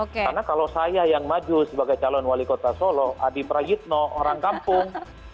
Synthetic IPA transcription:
okkkarnakalosajajaŋmad͡ʒusəbaɡajt͡ʃalɔnwalikot̪asolɔʔadipɾajit̪̚nɔoɾaŋkampʊŋ

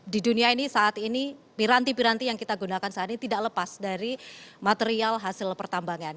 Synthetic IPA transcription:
diduniainisaʔat̪inipiɾant̪ipiɾant̪ijaŋkit̪aɡunakansaat̪init̪idaʔləpasdaɾimat̪eɾialɦasɪlpərt̪ambaŋan

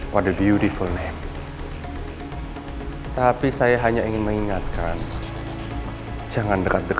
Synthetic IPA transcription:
wadəbjutifulnɛh | t̪apisajaɦaɲaiŋɪnməŋiŋat̪̚kan | d͡ʒaŋandəkat̪̚dək

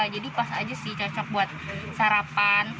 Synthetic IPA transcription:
ad͡ʒadipasad͡ʒasɪt͡ʃɔt͡ʃɔk̚buat̪̚saɾapan

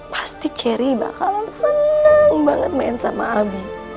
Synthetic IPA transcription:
pḁst̪it͡ʃɛɾiba̰kalɔnəsənaŋbaŋət̪̚maɛnsama̰ːbi

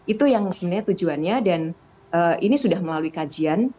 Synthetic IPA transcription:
it̪ujaŋsəbənaɲat̪ud͡ʒuanɲadan | ʔəʔinisudahməlaluikad͡ʒian

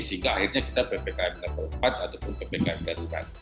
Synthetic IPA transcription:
səɦiŋɡaahirɲakit̪apepekaɛpdapəəmpat̪̚at̪aupʊnpepekajdaɾuɾa̰n

